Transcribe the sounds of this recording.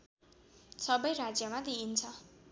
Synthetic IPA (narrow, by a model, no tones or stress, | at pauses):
sʌbʌjɾad͡zjʌmad̪iint͡sʰʌ